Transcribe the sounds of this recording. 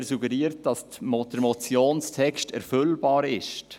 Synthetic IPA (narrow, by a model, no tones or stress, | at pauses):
ɾsuɡəɾiːəɾt̚d̥ɑs | mɔd̥əɾmɔt͡sjoːnstʰɛkʃtɛɾfʏlbɑːɾɪʃt